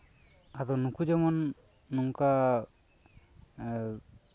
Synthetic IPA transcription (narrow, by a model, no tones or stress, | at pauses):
ad̪ɔnukud͡ʒɛmɔnː | uŋka